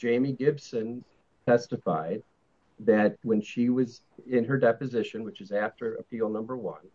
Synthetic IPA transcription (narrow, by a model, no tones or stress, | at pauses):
d̥ʒ̥ẽɪ̃miɡɪbsɨ̃n | tʰɛstɨfaɪd̪̚ | ðɨt̚wə̃nʃiwʌz | ɪ̃nə˞dɛpɨzɪʃɨ̃nwɨt͡ʃɨzæftə˞ɨ̰pʰilˠnʌ̃mbə˞wʌ̰̃n